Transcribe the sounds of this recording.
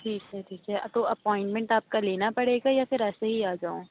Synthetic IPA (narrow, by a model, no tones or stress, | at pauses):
ʈʰiːkɛʈʰiːkɛʔɐ̰t̪oɐpɔ̃ːɪ̃ɳʈmɛ̃ɳʈaːp̚kaleːnapɐɽeːɡajafɪɾɛːseɦiaːd͡ʒaːõː